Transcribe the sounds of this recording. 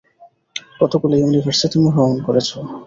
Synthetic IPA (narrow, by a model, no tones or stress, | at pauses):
kɔt̪okulejunivʱaɾsit̪imuɦoonkoɾet͡ɕʰo